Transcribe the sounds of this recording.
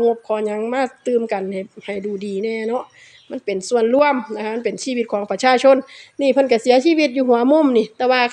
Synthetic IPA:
ŋo˧˥p̚kʰɔː˧˩ɲa˨˦ŋmaː˧˥˨t̪ɯː˧mka˨˩nha˨˩jha˨˩jduː˨˩diː˨˩nɛː˧˩nɔ˧˥ʔ | ma˧˥˨npe˨nsu˧˨ənlu˧˥˨əmna˧kʰa˧ʔma˧˥˨pe˨˩nsiː˧˩˨i˧t̪̚kʰɔː˨˦ŋpa˧t͡ɕʰaː˧˥˨t͡ɕʰo˧˥˨nːiː˧˩pʰɤ˧˥˨nka˧˩si˨˦ɐsiː˧˥˨wi˧t̪̚juː˧˩hu˨˩˦ɐmo˧˥˨mniː˧˩t̪ɛː˧waː˧

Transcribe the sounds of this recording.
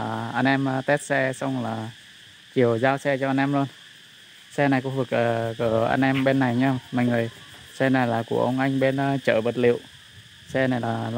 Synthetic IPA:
ʔa˧nʔɛ˧m˧t̪e˦˥t̚sɛ˧sa˧wŋ͡mlaː˨˩ | t͡ɕi˨˩əwzaː˧wsɛ˧t͡ɕɔ˧ʔa˧jnʔɛ˧mlu˧ən | sɛ˧na˨˩jkʊ̰˧˦vɨ˨˩ək̚əː˨˩kə˧˩ʔa̰˧jnʔɛ˧mɓe˧nːa˨˩jɲɛ˧mma̰ː˧˨jŋɨ˨˩əj | sɛ˧na˨˩jlaː˨˩ku˧˩əʔə˧wŋ͡mʔa˧jŋ̟ɓe˧nː˧t͡ɕəː˧˩və˨˩t̚lḭ˧˨əwʔ | sɛ˧na˨˩jlaː˨˩l

